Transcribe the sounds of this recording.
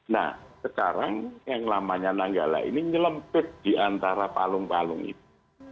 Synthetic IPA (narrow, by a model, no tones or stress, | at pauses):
na̰hsəkaɾaŋjaŋlamaɲanaŋɡala̰ʔḭniɲələmpɪt̪̚d̪̥i̤ʔant̪aɾapalʊŋpalʊŋḭt̪̚u